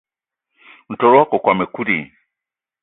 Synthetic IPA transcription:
n̩˨tɔ˨ɾwa˦kɔ˨kwa˨mɛ˨ku˦ɾḭ˨

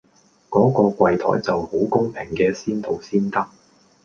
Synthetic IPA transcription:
kɔː˨˥kɔː˧kʷɐ˧jt̪ʰɔ̰ː˨˩jt͡sɐ˨who˨˥wkʊ˥ŋpʰɪ˨˩ŋkɛː˧siː˥nt̪ʰo˨wsiː˥nt̪ɐ˥k̚

